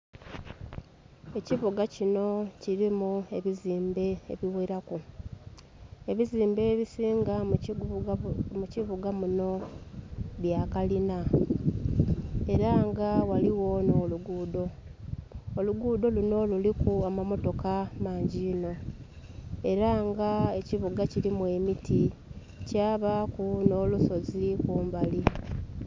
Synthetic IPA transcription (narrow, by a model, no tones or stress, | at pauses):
e̞ciβuɡacino̞ciɾimue̞βiziːmbe̞ḛβiweɾaku | e̞βiziːmbe̞βisiːŋɡa | muciβuɡamuno̞ | βjakalina | e̞ɾaŋɡawaliwo̞no̞ːluɡuːdo̞ː | luɡuːdo̞luno̞lulikuamamo̞to̞kamaːɲɟiːno̞ | e̞ɾaŋɡae̞ciβuɡacilimwe̞miti | caːβakuno̞luso̞zikuːmbali